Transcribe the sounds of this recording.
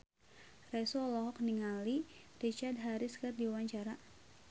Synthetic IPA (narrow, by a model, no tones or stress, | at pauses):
rɛsɔlɔɦɔk̚niŋalirit͡ʃard̪̚ɦaɾiskərdiwawaɲt͡ʃaɾa